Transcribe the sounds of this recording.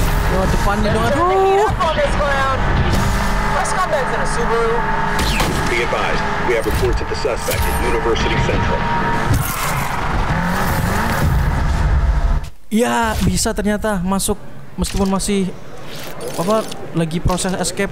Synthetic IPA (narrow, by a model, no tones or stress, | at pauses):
odəpanadoŋapɔɡɛsɡoʊaʊn | waskɔtɛtzɨ̃nəsubə˞ | biɡɨdvaɪz | wiɨvɹɨpʰɔɹtɨd̪̚ðəsʌspɛ̰kɨnjʉnɨvɜ˞sɨɾi̥sɛ̃ntɹ̥ə̰l̩ˠ | jabisat̪ərɲat̪amasʊk̚ | məst̪ipʊnmasɪh | bapa | laɡipɾosɛsɛskɛp̚